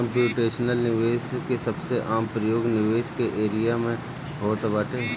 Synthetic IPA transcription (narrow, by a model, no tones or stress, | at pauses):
ə̃mpjuːʈeːʃnəlnɪʋeːskesɐbseʔaːmpɾəjoːɡnɪʋeːʃkeʔeːɾijamẽ | ɦoːt̪baːʈeː